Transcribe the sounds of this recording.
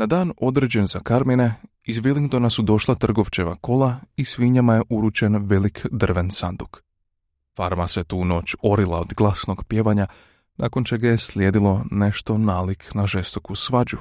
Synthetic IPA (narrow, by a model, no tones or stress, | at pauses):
nad̪aːno̞d̪ɾed͡ʑe̞nzakaɾmine̞ | izʋilˠiŋɡt̪o̞nasud̪o̞ʃlˠat̪r̩ɡo̞ʋt͡ɕe̞ʋa̰ko̞lˠaisʋiɲamaje̞ʔuɾut͡ɕe̞nʋelikd̪r̩ʋe̞nsand̪uk | faɾmaset̪uːno̞ːt͡ɕo̞ɾilˠaod̪ɡlˠasno̞ɡpje̞ːʋaɲa | nʔa̰ːko̞nt͡ʃe̞ɡajeslʲjed̪ilˠo̞ne̞ʃt̪o̞naːlikʰnaʒe̞st̪o̞kusʋad͡ʑu